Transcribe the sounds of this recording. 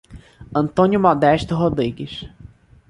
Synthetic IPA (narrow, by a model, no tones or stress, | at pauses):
ɐ̃nt̪õnjʊmɔd̪ɛʃt̪ʊɦod̪ɾiɡɪʃ